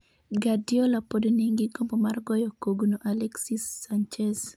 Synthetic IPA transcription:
ɡadiolapodɔniŋɡiɡombomarɡɔjɔkoɡunoʔalɛksisːant͡ʃɛs

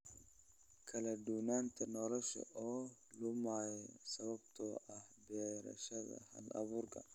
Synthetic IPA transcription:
kʰɐlɐd̪uːnaːnt̪ʰɐnɔlɔʃɐ̰ʔɔːlʊmaːjɛsɐβɐbt̪ʰɔʔɐhbɛːɾɐ̰ʃɐðɐ̰hɐ̰lɐ̰βuːɾkʰɐ̰

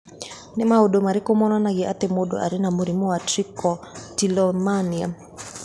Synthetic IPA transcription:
nemaodomaɾekomɔnanaɣeat̪emodɔ̰ʔa̰ɾenamoɾimɔwatɾikɔtilɔmania

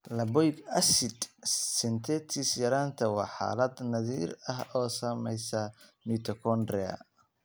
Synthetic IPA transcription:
lɐbɔjɡɐsɪd̪sɛnt̪ʰɛt̪ʰisjɐɾaːnt̪ʰɐwɑːħa̰ːlɐd̪nɐðiːɾɐɦɔːsɐːmɛjsɐmiːt̪ʰɔkʰɔnd̪ɾɛɐ̰

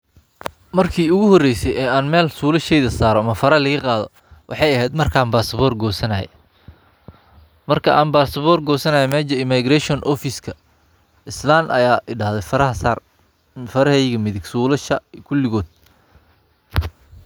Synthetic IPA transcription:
mɐrkʰiːʊɣʊhɔrɛjsɛjɛːaːnmɛːlsuːlɐʃɛjðɐsaːɾɔmɐfɐɾɐlɐɣɐqɑːðɔ̰ | wʔɑ̰ħɑjɐɦɛːd̪mɐrkʰaːnbaːsɐβɔːrɡɔːsɐnɐjɛ̰ | mɐrkʰɐʔa̰ːnbaːsɐβɔːrɡɔːsɐnɐjɛmɛːd͡ʒɐɪmaɡrɛʃɔnʔɔfɪskʰɐ | ʔɪslaːnʔɐ̰jaːʔɪɖaːhðɛfɐɾɐɦɐsaːr | fɐɾɐɦɛjɣɐmɪðɪɡsuːlɐʃɐkʰʊlɪɣɔːd̪̚

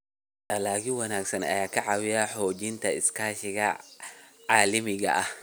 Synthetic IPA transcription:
ɐlaːkɪnwɐnaːɡsɐnɐ̰jaːkʰɐʕɑwɪjɐħɔːt͡ʃɪnt̪ʰɐɪskʰaːʃɪɣɐ | ʕaːlɐmɪɣɐ̰ʔɐh

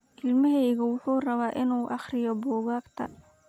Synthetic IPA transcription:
ʔɪlmɐɦɛjɣɐwʊħuːrɐβaːʔɪnuːʔɑχrɪjɔbɔːɣaːɡt̪ʰɐ̰

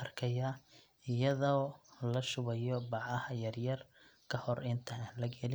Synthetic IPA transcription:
ɐrkʰɐja | ɪjɐðɔːlɐʃʊβɐjɔbɑʕɐhɐjɐrjɐrkʰɐhɔrɪnt̪ʰɐlɐɡɛlɪ

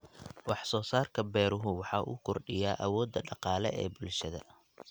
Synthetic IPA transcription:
wɑħsɔːsaːrkʰɐbɛːɾʊɦʊwɑħɑːʔṵːkʰɔrɖɪjaːʔɐwɔːd̪ːɐɖɑqɑːlɛɛ̰ːbʊlʃɐðɐ̰

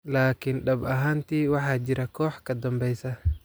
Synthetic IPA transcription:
laːkʰɪnɖɐbɐɦaːnt̪ʰiːwɑħɑːt͡ʃɪɾɐkʰɔːħkʰɐd̪ɐmbɛjsɐ

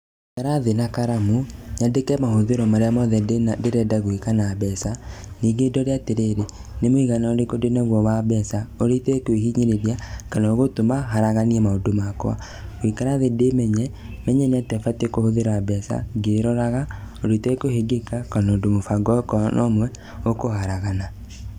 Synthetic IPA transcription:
kaɾaðenakaɾamuɲadekɛmahoðeɾɔmaɾeamɔðɛdenadeɾɛdaɣwikanabɛsaniɡedɔɾeateɾeɾe | nemoiɣanaodekodenaɣwɔβabɛsaoɾetɛkwihiɲeɾeɾiakanaoɣotomaɦaɾaɣaniɛmaodomakɔa̰ | ɣwikanaðedemɛɲɛ | mɛɲɛneatɛfatekohoðeɾabɛsa̰ɡeɾɔɾaɣa | oɾetɛkoheɡekakanaodomofaɡɔkɔnʔɔ̰mwɛ | okohaɾaɣana

